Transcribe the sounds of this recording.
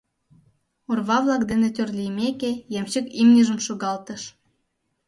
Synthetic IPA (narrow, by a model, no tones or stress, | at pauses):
orβɑβlɑkd̪enet̪ʲørlʲijmekejemt͡ɕəkimnʲəʒəmʃoɣɑlt̪əʃ